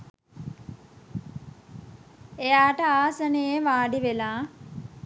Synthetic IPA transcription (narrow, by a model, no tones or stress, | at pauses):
ejaːʈəaːsənejeʋaːɖiʋelaː